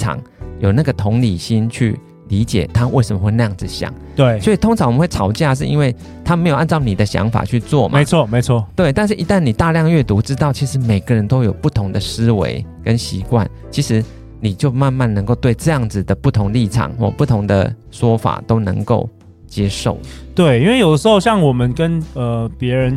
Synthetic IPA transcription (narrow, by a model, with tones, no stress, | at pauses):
ɑ̰˨˦ŋjo˨˩ʊna˥˩ɡə˩t̪ʰʊ˧˥ŋli˨˩ɕi˥nt͡ɕʰy̰˥˩ | li˧˦t͡ɕjɛ̰˨˩t̪ʰa˦wʔe˥˩ɪʂə˨˩mə˧xwe˥˧na˥˧jɑ˥ŋd͡zɹ̩˨ɕjɑ̰˨˩˦ŋ˥sɔ˧˥i˨˩t̪ʰo˥ŋt͡sʰŋwm˦we˥˩ɪɑ˨˥ʊt͡ɕja˥˧ʂ̬ɻ̩˥˧ḭ˥nwe˥˩ɪ | t̪ʰa˥me˧˥ɪjo˨˩ʊa˥˧nt͡sɑ˥˩ʊni˨˩d̪ə˩˦ɕjɑ̰˧˥ŋfa̰˨˩t͡ɕʰy˥˧t͡swɔ̰˥˨mʔt͡sʰɔ˥˨me˧˦ɪt͡sʰwɔ˥˨t̪we˥˩ɪt̪a˥˧nʂ̬ɻ̩˥˩ʔi˧˥t̪a˥˩nːi˨˩t̪a˥˧ljɑ˥˧ŋɥɛ˥˩t̪u˧˥ʈ͡ʂɻ̩˥t̪ɑ˥˩ʊt͡ɕʰi˧˥ʂɻ̩˧˥me˨˩ɪɡə˨˦ɻə˧˦nt̪o˥ʊjo˨˩ʊpu˥˩t̪ʰʊ˧˥ŋd̪ə˨ʂɻ̩˥wḛ˧˦ɪkə˦nɕi˧˥kwa̰˥˩n | t͡ɕʰi˧˥ʂɻ̩˧˥ | ni˨˩t͡ɕjo˥˧ʊma˥˧nma˥˩nnə˧ŋko˥˧ʊt̪we˥˧ɪʈ͡ʂɤ˥˧jɑ˥˩ŋd͡zɹ̩˨˩d̪ə˩pu˥˩t̪ʰʊ˧˥ŋli˥˩ʈ͡ʂʰɑ̰˨˦ŋxwɔ̰˥˩pu˥˩t̪ʰʊ˧˥ŋd̪ə̰˨ | ʂwɔ˥fa̰˨˩t̪o˥ʊnə̰˧˥ŋko˥˩ʊ | t͡ɕjɛ˥ʂo̰˥˩ʊ˨t̪we˥˩ɪi˥nwe˥˩ɪjo˨˩ʊd̪ə˦ʂɻ̩˧xo˥˧ɕjɑ˥˨ŋwɔ˨˩mə˦nkə˦nə˨˩pjɛ˧˥ɻə˧˦n